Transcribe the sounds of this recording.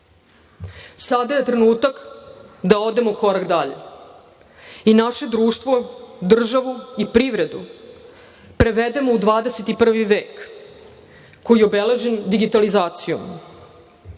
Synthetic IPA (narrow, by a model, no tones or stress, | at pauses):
sad̪aje̞t̪ɾe̞nuːt̪akd̪ao̞d̪e̞moko̞ɾakd̪aʎḛ | inaʃe̞d̪ɾuːʃt̪ʋod̪r̩ʒaʋuipɾiʋɾe̞d̪ṵ | pɾe̞ʋed̪e̞moud̪ʋaːd̪ese̞t̪ipr̩ʋiʋeːk | kojieobele̞ʒend̪iɡit̪alizaːt̪sijo̰m